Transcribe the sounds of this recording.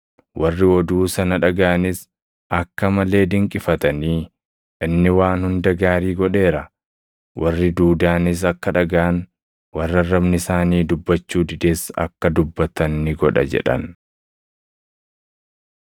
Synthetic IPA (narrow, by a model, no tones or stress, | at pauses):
wɐrːɪɔd̪uːsɐnɐᶑɐɡaʔɐnɪs | ɐkːɐmɐle̞ːd̪ɪŋkʼɪfɐt̪ɐniː | ʔɪnːɪwaːnhʊnd̪ɐɡaːɾiːɡɔᶑe̞ːɾɐ | wʔɐrːɪd̪uːd̪aːnɪs̬ɐkːɐᶑɐɡaːn | wɐrːɐrːɐbnɪsaːniːd̪ʊbːɐt͡ʃːuːd̪ɪd̪e̞ːsɐ̰kːɐd̪ʊbːɐt̪ɐnːɪɡɔᶑɐ̰d͡ʒɛ̰ᶑɐ̰n